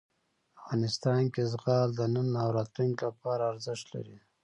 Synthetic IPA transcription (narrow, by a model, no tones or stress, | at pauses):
afɣɑnɪst̪ɑnkezɣɑld̪ənənːawɾat̪uŋɡlapɑɾaːɾzɪʃt̪la̰ɾi